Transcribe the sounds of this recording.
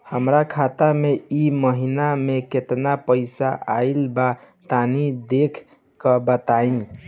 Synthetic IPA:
həmɾakʰat̪ameiməɦinameket̪napəɪsaʔailba | t̪anid̪ekʰ | kəbət̪aĩ

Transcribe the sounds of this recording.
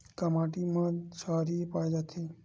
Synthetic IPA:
kəmaːʈimãsaːɾipajd͡ʒat̪ʰi

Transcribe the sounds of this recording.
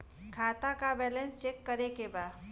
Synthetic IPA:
kʰaːt̪akabɛːlẽnst͡ʃekːəɾekebaːd̪

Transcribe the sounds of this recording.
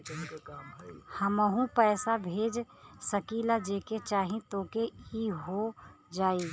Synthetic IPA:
həməɦũpɛːsabʱeːd͡ʒ | səkiːlad͡ʒeːket͡ʃaːɦĩt̪oːkeiɦo | d͡ʒaːe

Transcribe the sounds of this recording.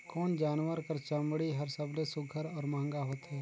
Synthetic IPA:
kɔːnd͡ʒaːnʋəɾkɐɾt͡ʃɐ̃mbɽiɦɐɾsɐblesʊɡʱəɾɔːɾmãə̃ŋɡaɦoːt̪ɦɛː

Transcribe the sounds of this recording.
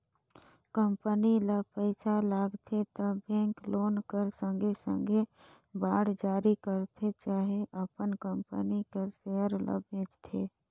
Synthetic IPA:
kə̃mpənilapəɪsalaːɡt̪ʰet̪əbẽːŋkloːnkəɾsə̃ŋɡʱesə̰̃ŋɡʱe | baːɽd͡ʒaːɾikəɾt̪ʰet͡ʃaːɦeʔəpənkə̃mpə̰nikeseəɾla̰bʱẽːd͡ʒt̪ʰḛː

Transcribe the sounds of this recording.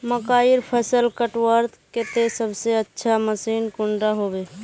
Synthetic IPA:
məkaːiɾpʰəsəlkəʈwəɾt̪ket̪esəbʱseətːʃʰaməsiːnkʊɳɖaɦobeː

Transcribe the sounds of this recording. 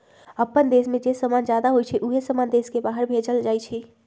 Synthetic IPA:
əpːənd̪esmẽd͡ʒesəmand͡ʒjad̪aɦojt͡ʃʰɛʔuɦesəmand̪eskebaɦəɾbʱed͡ʒəld͡ʒajt͡ʃʰɛ

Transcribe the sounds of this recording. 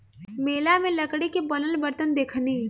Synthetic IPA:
meːlamẽlɐkɽekebɐnəlbəɾt̪ənd̪eːkʰniː

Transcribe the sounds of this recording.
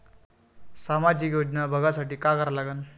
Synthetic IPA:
samad͡ʑikjod͡ʑnabʱəɡasaʈiːkakəɾlaɡən

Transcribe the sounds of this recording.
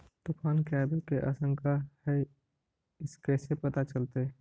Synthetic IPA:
t̪ʊfaːnkɛːbɪlkeʔa̰ːsə̃ŋkʰahɛ | ɪskɛːsepɐt̪at͡ʃəlt̪e

